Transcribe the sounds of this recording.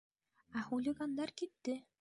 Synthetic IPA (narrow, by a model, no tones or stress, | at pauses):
ɑxulʲiɡand̪ɑɾkit̪ːɪ